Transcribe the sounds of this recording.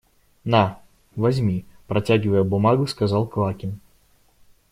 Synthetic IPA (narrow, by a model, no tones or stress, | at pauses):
na | vɐzʲmʲipɾɐt͡sʲaɡʲɪvəjəbʊmaɡʊskazalˠklˠakʲɪn